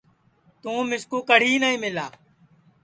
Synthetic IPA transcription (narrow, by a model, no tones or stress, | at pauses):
t̪ũːmɪskoːkəɽ̤iːnəĩːmɪla̰ː